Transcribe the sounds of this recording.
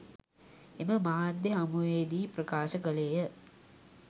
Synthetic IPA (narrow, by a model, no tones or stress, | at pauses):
eməmaːd̪ːeɦamuʋeːd̪iːprəkaːʃəkəlejə